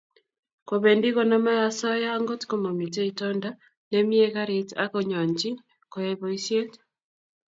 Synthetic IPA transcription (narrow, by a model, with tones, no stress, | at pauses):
koβɛ˨ndi˦ɣɔnama˦ja˨sɔ˦ja˦ŋɡo˦tko˦mo˨mi˨tɛ˦itɔnda˦ | nɛmi˦ɛɣaɾe˨ta̰kɔɲɔ˨ɲd͡ʒi˦ | kɔ˨jɛβɔi˦sje˦t